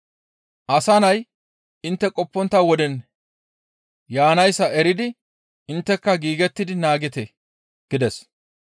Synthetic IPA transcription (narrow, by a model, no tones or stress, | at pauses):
ʔɐsɐnɐj | ɪnt̪ːɛkʼɔpːɔnt̪ːɐwɔd̪ɛn | jaːnɐjsːɐɛɾɪd̪ɪ | ɪnt̪ːɛkːɐɡiːɡɛt̪ːɪd̪ɪnaːɡɪt̪ɛ | ɡ̥ɪd̪ɛs